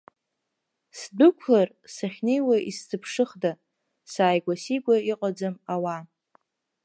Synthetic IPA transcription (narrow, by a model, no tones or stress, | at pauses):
sdɨkʷʰlar | saχʲnejwaʔistʰɨpʰʂɨχda | saːjɡʷasiɡʷaiqʼad͡zamawa